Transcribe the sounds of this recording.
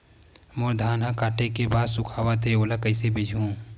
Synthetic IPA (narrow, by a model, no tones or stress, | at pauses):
mʊɾd̪ʱaːnɦãkaːʈekebaːd̪sʊkʰaːwat̪ʰeoːlakəɪsebɪd͡ʒʱũ